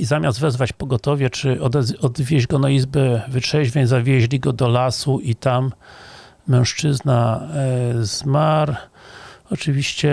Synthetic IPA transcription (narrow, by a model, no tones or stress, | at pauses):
izamʲazt̪vɛzvat͡ɕpɔɡɔt̪ɔvʲɛt͡ʂɘɔɔd̪vʲjɛʑɡɔnaizbɛvɘtʂɛʑvʲjeɲzavʲjɛʑlʲiɡɔd̪ɔlasuʔit̪amː | ɛ̃w̃ʂt͡ʂɘzna | z̥maɾ | ɔt͡ʂɘvʲiɕt͡ɕɛ